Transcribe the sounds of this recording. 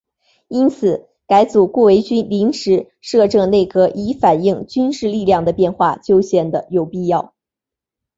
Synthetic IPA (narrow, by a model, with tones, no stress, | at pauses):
i˥nt͡sʰɹ̩˨˩˦ | ka˧˥ɪt͡su˨˩kwɔ˥˩we˧˥ɪt͡ɕy˥nli˧˥ŋʂɻ̩˧˥ | ʂɤ˥˧ʈ͡ʂɤ˥˧ŋne˥˩ɪkɤ˧˥ʔi˧˥fa˨˩ni˥˩ŋt͡ɕy˥nʂɻ̩˥˧li˥˧ljɑ˥˩ŋd̪ə˩pjɛ˥˧nxwa̰˥˩t͡ɕjo˥ʊɕjɛ˥˩nd̪ə˩jo˨˩ʊpi˥˧jɑ˥˩ʊ